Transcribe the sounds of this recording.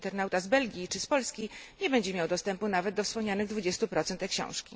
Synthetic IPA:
t̪ɛɾnawt̪azbɛlɡʲit͡ʂɘspɔlskʲiɲɛbɛɲd͡ʑɛmʲjawd̪ɔst̪ɛmpunavɛd̪̚d̪ɔfspɔmɲanɘɣd̪vud͡ʑɛst̪upɾɔt̪sɛnt̪ɛkɕɔ̰̃w̃ʂkʲḭ

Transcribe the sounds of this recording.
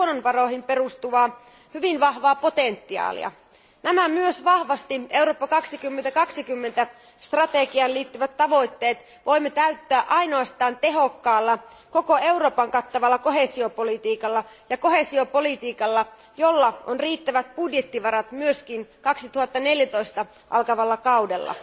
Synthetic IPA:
nonʋɑro̞ihimpe̞ɾust̪uʋɑː | hyʋinʋɑhʋɑːpo̞t̪ent̪ːiɑ̰ːlḭɑ̰ | næmæmyøsʋɑhʋɑst̪iʔe̞uwɾo̞ːpːɑkɑksikymːent̪ækɑksik̟ymːent̪æ | st̪rɑt̪eɡiɑnliːt̪ːyʋæt̪ːɑʋo̞jt̪ːe̞ːt̪ | ʋʔo̞jmːet̪æyt̪ːæːʔɑjnoɑst̪ɑːnt̪e̞ɦo̞kːɑːlːɑ | ko̞ko̞e̞wɾo̞ːpɑŋkɑt̪ːɑʋɑlːɑko̞ɦe̞sio̞po̞lit̪iːkɑlːɑ | jɑko̞he̞sio̞po̞lit̪iːkɑlːɑ | jo̞lːɑʔonriːt̪ːæʋæt̪̚b̥udjet̪ːiʋɑɾɑt̪myøsk̟inkɑksit̪uhɑt̪ːɑne̞ljæt̪o̞ist̪ɑ | ʔɑ̰lkɑʋɑlːɑkɑwde̞lːɑ̰

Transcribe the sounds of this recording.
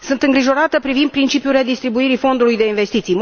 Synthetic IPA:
sɨnt̪ɨŋɡɾiʒo̞ɾat̪əpɾivind̪pɾint͡ʃipjuleed̪ist̪ɾibuiɾifo̞nd̪ulujd̪e̞inve̞st̪it̪sijm

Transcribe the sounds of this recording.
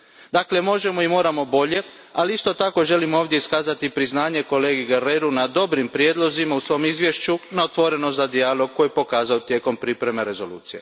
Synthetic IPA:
d̪akle̞mo̞ʒe̞mo̞imo̞ːɾamo̞bo̞ʎe̞ | aliist̪o̞t̪ako̞ʒe̞limoːʋd̪jeiskaːzat̪ipɾiznaːɲe̞ko̞le̞ːɡiɡeɾeɾunad̪o̞bɾimpɾjeːd̪lˠo̞zimausʋo̞mizʋjeʃt͡ɕunaot̪ʋo̞ɾe̞nozad̪ialˠo̞ɡ̚kːo̞jepo̞kaːzaot̪je̞ːko̞mpɾipɾe̞meɾe̞zo̞lṵːt̪sije

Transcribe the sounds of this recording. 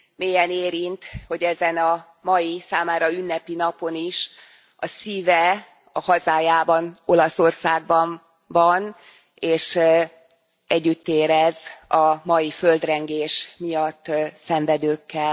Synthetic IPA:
meːjɛneːɾint̪ho̞ɟɛzɛnɒ | mɒjisaːmaːɾɒynːɛpin̪ɒpo̞niʃ | ɒsiːvɛ | ɒhɒzaːjaːbɒno̞lɒso̞rsaːɡ̚bɒɱ | vɒn | eːʃ | ɛɟːyt̪ːeːɾɛzɒmɒjiføld̪rɛŋɡeːʃmijɒt̪ːsɛɱvɛd̪øːkːɛl

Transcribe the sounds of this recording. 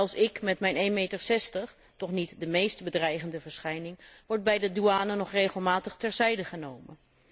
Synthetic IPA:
ɛlˠsɪkmɛtmɛjnejnmejtəɹsɛstəχ | tɔχnitdəmejstbədrɛjχəndəvəɹsχɛjnɪŋʋɔɹd̚bɛjdəduaːnənɔχrejχəlˠmaːtəχtɛɹzɛjdəχənowmən

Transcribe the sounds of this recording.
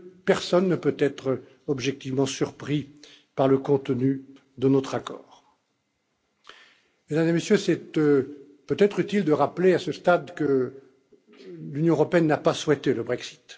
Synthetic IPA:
pɛʁsɔnːəpøt̪ɛt̪χ | ɔbʒɛk̚t̪ivmɑ̃syʁpχi | paʁləkɔ̃t̪ny | d̪ənɔt̪χakɔːʁ | med̪amzemesjøsɛt̪ | pøt̪ɛt̪χyt̪ild̪əʁapleasəst̪ad̪kə | lynjɔ̃əʁɔpeɛnːapaswɛt̪eləbʁɛksi̥t̪

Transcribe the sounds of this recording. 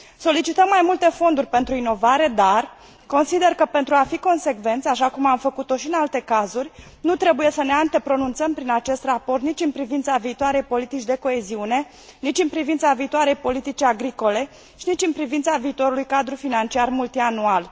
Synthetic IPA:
so̞lit͡ʃit̪əmːajmult̪e̞fo̞nd̪urʲpe̞nt̪ɾuino̞vaɾe̞d̪ar | ko̞nsid̪e̞rkəpe̞nt̪ɾuafiko̞nse̞kve̞nt̪saʃakumamfəkut̪o̞ʃiɨnalt̪e̞kazurʲ | nut̪ɾe̞buje̞səne̞ant̪e̞pɾo̞nunt̪səmpɾinat͡ʃe̞st̪rapo̞rt̪nit͡ʃʲɨnpɾivint̪saviːt̪oaɾe̞jpo̞lit̪it͡ʃd̪e̞ko̞e̞ziune̞ | nit͡ʃʲɨnpɾivint̪saviːt̪oaɾe̞jpo̞lit̪it͡ʃiaɡɾiko̞le̞ | ʃinit͡ʃɨnpɾivint̪saviːt̪oɾulujkad̪ɾufinant͡ʃiarmult̪ianual

